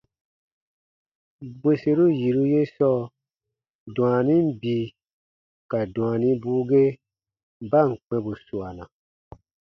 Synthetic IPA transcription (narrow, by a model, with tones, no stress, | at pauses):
bwe˦se˦ɾu˦ji˨ɾu˦je˦sɔ˦ | dũ˨a˨nĩ˦m˦bi˨ | ka˨dũ˨a˨nĩ˦buː˦ɡe˦ | ba˦˨ŋ̩˨k͡pɛ̃˧bu˨su˨a˨nã˨